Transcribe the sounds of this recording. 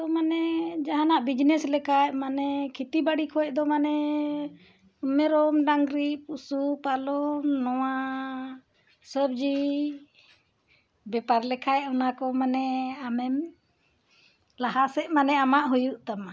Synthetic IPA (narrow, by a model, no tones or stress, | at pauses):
ɔmanɛd͡ʒaɦanaʔbid͡ʒnɛslɛkʰajmanɛkʰit̪ibaɽikʰɔɛʔ̚d̪ɔmanɛ | umɛɾɔmɖaŋɡɾipusupalɔmnɔwa | səb̚d͡ʒi | bɛpaɾlɛkʰajɔnakɔmanɛamɛm | laɦasɛʔmanɛamaʔɦujuʔt̪ama